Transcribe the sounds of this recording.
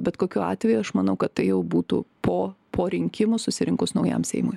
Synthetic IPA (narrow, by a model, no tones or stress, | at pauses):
bʲɛt̪koːkʲuːɑːt̪ʲʋʲɛjuɐʃmɐnɐʊkɐt̪tɐɪjɛʊbuːt̪ṵːpoːpʰoːɾʲɪŋʲkʲɪmʊsʊsʲɪɾʲɪŋkʊsnɐʊjɛ̰msʲɛ̰ɪmo̰j